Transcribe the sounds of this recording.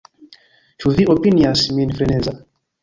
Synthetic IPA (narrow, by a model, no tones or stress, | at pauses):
t͡ʃuðiʔɔpiniasminfɾɛnɛza